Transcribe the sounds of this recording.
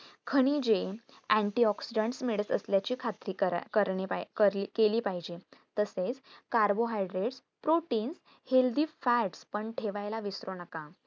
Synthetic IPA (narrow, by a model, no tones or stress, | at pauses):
kʰəɽ̃iːd͡ʑe | æ̃ɳʈiɔksiɖəɳʈsmiɭəsə̰sljat͡ɕiːkʰat̪ɾiːəkəɾɳepakəɾkeliːpaɦid͡ʑet̪əset͡skaɾboɦajɖɾeʈs | pɾoʈiːns | held̪iːfæʈspəɳʈʰeʋajlaʋisɾonəka